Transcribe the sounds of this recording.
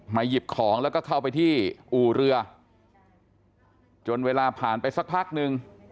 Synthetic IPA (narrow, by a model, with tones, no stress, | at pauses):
ma˧ji˨˩p̚kʰɔː˩˦ŋlɛː˦˥wkɔː˥˩kʰa˥˩wpa˧jt̪ʰiː˥˩ʔuː˨˩ɾɯ˧ɐ | t͡ɕo˧nweː˧laː˧pʰaː˨˩˦npa˧jsa˧˦˥k̚pʰaː˥˩k̚nɯ˧ŋ